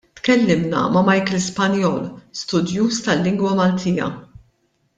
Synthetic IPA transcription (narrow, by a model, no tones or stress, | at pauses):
t̪kɛlːɪmnɐ̰mɐmɐjkɛlspɐnjɔːlst̪ʊd̪juːst̪ɐlːɪŋɡwɐmɐlt̪ʰiːjɐ̰